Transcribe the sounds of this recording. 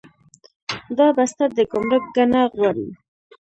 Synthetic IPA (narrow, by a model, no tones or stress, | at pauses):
d̪ɑbast̪ad̪əkʊmɾək̚ɡanaɣwaɾḭ